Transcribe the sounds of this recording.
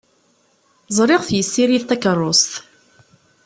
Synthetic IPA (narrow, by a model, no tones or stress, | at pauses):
zˤɾˤɪʁθjəsːiɾiðt̪ːækərˤːost̪